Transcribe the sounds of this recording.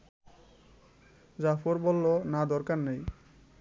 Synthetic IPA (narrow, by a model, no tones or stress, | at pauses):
d͡ʑafoɾbɔlːonad̪ɔɾkaɾnej